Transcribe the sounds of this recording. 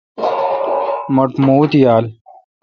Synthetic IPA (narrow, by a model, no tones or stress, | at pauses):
mɐʈmuːt̪jaːl